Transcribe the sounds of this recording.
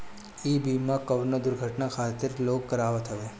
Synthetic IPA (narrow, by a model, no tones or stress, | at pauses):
ibimãkəʋnəd̪ʊɾɡʱəʈnakʰat̪ɪɾloɡkəɾaʋat̪ʰəʋe